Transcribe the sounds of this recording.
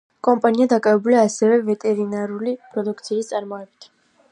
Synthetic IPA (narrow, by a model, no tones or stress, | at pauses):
kʼɔmpʼaniad̪akʼavɛbuliaːsɛvɛvɛt̪ʼɛɾinaɾulipʼɾɔd̪ukʰt̪sʰiːst̪sʼaɾmɔɛbit̪ʰ